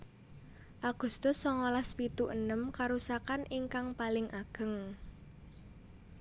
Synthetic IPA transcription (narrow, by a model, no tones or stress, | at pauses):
ʔaɡ̥ṳst̪ʊsːɔŋolaspit̪uʔənəmkaɾusakanʔiŋkaŋpalɪŋʔaɡ̥ə̤ŋ